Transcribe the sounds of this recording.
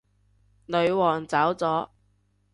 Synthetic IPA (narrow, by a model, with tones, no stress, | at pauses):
lɵ˨˧ɥwɔː˨˩ŋt͡saː˨˥wt͡sɔː˨˥